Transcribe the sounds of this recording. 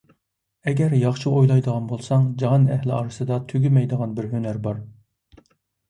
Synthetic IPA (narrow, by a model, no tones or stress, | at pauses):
ɛɡʲɛɾjɑχt͡ʃʰiʔojlˠɑjd̪əʁɑnbolˠsɑŋd͡ʒɑɦɑnɛhlɪɑ̰ːɾɨsɨd̪ɑt̪ʰyɡʲymɛjd̪əʁɑnbɪɾɦønæɾbɑɾ